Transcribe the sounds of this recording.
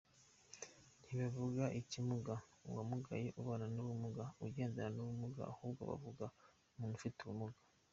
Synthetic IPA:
n̥hiβavuɡaʔicimuɡauwamuɡa̰jeʔuβananuβumuɡauɟeːndeɾanuβumuɡa̰ahuːb̚ɡa̰βa̰vuɡa | muːnufituumuɡḁ

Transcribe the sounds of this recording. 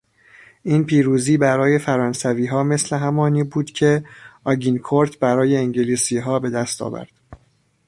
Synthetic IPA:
ʔiːnpʰiːɾuːziːbæɾɒːje̞fæɾɒːnsæviːɦɒːme̞sle̞ɦæmɒːniːbuːd̪̥cʰe̞ɒːɟinkʰoɾt̪ʰbæɾɒːje̞iŋɟeliːsiːɦɒːbe̞d̪æst̪ʰɒ̰ːvæ̰ɾd̪̥

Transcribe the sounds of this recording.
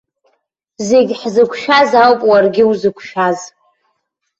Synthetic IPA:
zeɡʲħzɨkʷʰʃᶣazawpʼwarɡʲɪwzɨkʷʰʃᶣaz

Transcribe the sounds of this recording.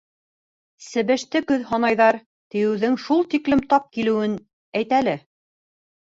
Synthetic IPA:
sɘ̆βɘ̆ʃt̪ɘkɵðɦɑnɑjðɑɾ | t̪ɘ̆jɘ̆wðɘŋʃulˠt̪iklɘmt̪ɑp̚kilɘ̆wɘn | æjt̪ælɘ

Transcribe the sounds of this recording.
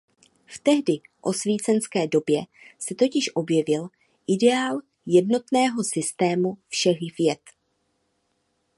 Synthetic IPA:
ft̪ɛɦdɪʔo̞sviːt͡sɛnskɛːdo̞bjɛ | sɛt̪o̞cɪʃʔo̞bjɛvɪl | ʔɪdɛaːl | jɛdno̞t̪nɛːɦo̞sɪst̪ɛːmufʃɛɣvjɛt̪

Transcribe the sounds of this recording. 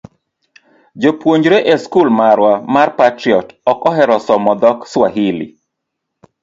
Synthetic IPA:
d͡ʒopwoɲd͡ʒɾeʔeskulmaɾwamarpatɾiɔtɔkɔɦɛɾɔsɔmɔd̪ɔkswaɦilḭ

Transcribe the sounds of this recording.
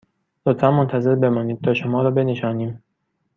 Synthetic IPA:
lot̪fænmont̪ʰæze̞ɾbe̞mɒːniːd̪̥̚t̪ʰɒːʃomɒːɾɒːbe̞neʃɒːniːm

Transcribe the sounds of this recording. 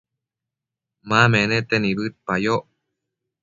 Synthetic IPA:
mãmẽnẽt̪enĩβɨt̪̚pajo

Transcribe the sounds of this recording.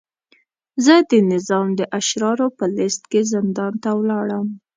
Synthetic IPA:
zəd̪ənɪzɑmd̪əʔaʃɾɑɾopəlɪst̪kezɪnd̪ɑnt̪awlɑɽəm

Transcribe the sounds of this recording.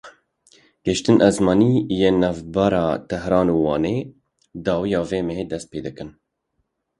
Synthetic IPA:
ɡ̥ɛʃt̪ɨnʔɛzmɑːniːjeːnɛvbæɾɑːt̪ʰɛɦɾɑːnuːwɑːneː | d̪ɑːwijɑːveːmɛɦeːd̪ɛst̪̚peːd̪ɨkɨn

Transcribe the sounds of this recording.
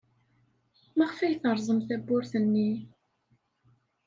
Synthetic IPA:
mæʁfæjθəɾˤzˤəmθæbːʊɾθənːi

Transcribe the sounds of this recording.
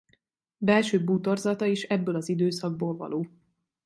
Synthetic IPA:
bɛlʃøːbut̪o̞rzɒt̪ɒiʃɛbːøːlɒzid̪øːsɒɡ̚boːlvɒ̰loː

